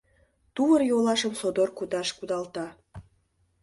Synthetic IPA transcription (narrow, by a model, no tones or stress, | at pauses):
t̪uβərjolɑʃəmsod̪orkud̪ɑʃkud̪ɑlt̪ɑ